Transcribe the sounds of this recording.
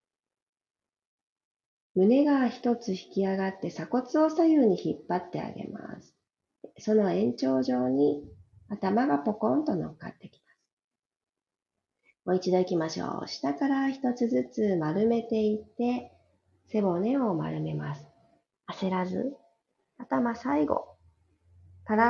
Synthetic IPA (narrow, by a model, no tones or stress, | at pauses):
mɯ̟ne̞ɡaçi̥t̪o̞t͡sɨçi̥kʲiaɡat̪ːe̞sako̞t͡sɨo̞sajɯːɲ̟içipːat̪ːe̞a̰ɡe̞̰ma̰sɨ̥ | so̞no̞ẽ̞ɲ̟t͡ɕo̞ːʑo̞ːɲ̟i | at̪amaɡapo̞kõ̞nt̪o̞no̞̰kːa̰t̪ːe̞kʲi̥masɨ̥ | mo̞it͡ɕid̪o̞ikʲimaɕo̞̰ːɕi̥t̪akaɾaçi̥t̪o̞t͡sɨzɨt͡sɨmaɾɯ̟me̞t̪e̞it̪ːe̞ | se̞bo̞ne̞o̞ma̰ɾɯ̟me̞masɨ̥ | ase̞ɾazɨ̰ | at̪amasaiɡo̞̰ | t̪aɾa